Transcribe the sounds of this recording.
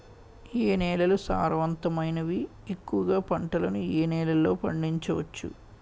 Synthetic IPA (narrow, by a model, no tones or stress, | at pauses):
eːnɛːlɐlusa̰ːɾʋɐnt̪ɐmɐjnɐʋi | ekːuʋɐɡaːpɐɳʈɐlɐnuiːnɛːlɐlːo̞ːpɐ̰ɳɖiɲt͡ʃɐʋɐ̰t͡ʃːṵ